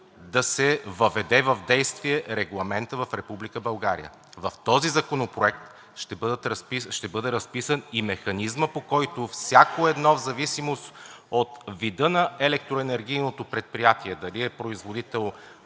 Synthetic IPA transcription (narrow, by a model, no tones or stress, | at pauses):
d̪ɐsɛvɐvɛd̪ɛvɐvd̪ɛjst̪viɛɾɛɡlˠɐmɛnt̪əvɐfɾɛpublikəbɐlˠɡaɾḭjə̰ | vɐft̪ɔzizɐkonopɾoɛk̚t̪ | ʃt̪ɛbd̪ət̪ɾspiʃt̪ɛbɤd̪ɛɾɐspisənimɛxɐnizməpokɔjt̪ʊfsʲjakoɛd̪nɔvzɐvisimost̪ot̪vid̪ɤnɐɛlɛk̚t̪ɾoɛnɛɾɡ̟ijnot̪opɾɛt̪̚pɾijat̪iɛd̪ɐliɛpɾoizvod̪it̪ɛlˠ